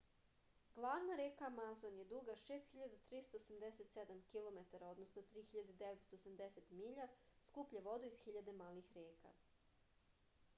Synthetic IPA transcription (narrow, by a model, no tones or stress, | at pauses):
ɡlˠaːʋnaɾekaːmazonje̞d̪uɡaʃeːst̪xiʎad̪at̪ɾist̪oːsamd̪eset̪sed̪amkilˠo̞met̪aɾao̞d̪no̞snot̪ɾiːxiʎad̪ed̪eʋet̪st̪oːsamd̪eset̪miːʎaskupʎeʋo̞d̪uizxiʎad̪emaːlixɾeːka̰